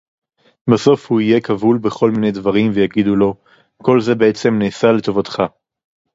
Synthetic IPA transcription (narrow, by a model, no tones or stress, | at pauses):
baso̞fhuije̞kʰavulbe̞χo̞lmine̞jdvaʁimvejaɡid̪ulo̞ | ko̞lze̞beet͡se̞mneːsale̞t̪o̞vat̪χa